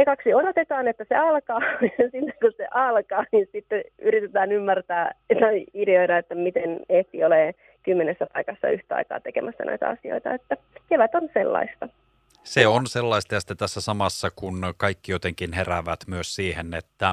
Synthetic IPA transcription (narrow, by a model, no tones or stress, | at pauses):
ekɑksiodot̪et̪ɑːnet̪ːæseɑlkɑːsinːeŋkusḛʔɑlkɑːninsit̪ːeyɾit̪et̪æːnymːært̪æːt̪ɑiideoiɾɑet̪ːæmit̪eneht̪ioleː | kymːenesːæpɑikɑsːɑ̰yht̪æɑ̰ikɑ̰ːt̪ekḛmæsːɑ̰nʔo̰ijt̪æ̰ɑ̰sio̰it̪ɑ̰et̪ːækeʋæt̪onselːɑ̰ist̪ɑ | seonselːɑist̪ɑjɑsi̥t̪ːæt̪æsːæsɑmɑsːɑkunkɑikːijot̪eŋkinheræʋæt̪myøssiːhenet̪ːæ